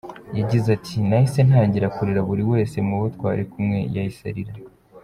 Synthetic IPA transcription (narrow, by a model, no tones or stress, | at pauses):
jaɟizatʰinahise̞n̥haːɲɟiɾakuɾiɾaβuɾiwe̞ːse̞muβotwa̰ːɾekumŋe̞jajisa̰ɾiɾa